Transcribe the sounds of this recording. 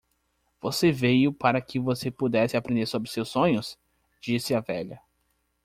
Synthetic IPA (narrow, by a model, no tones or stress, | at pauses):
v̥osevejʊpaɾɐkɪvosepud̪ɛsɪapɾẽnd̪eɾsobɾɪsewsːõɲʊs | d͡ʒisɪɐvɛʎɐ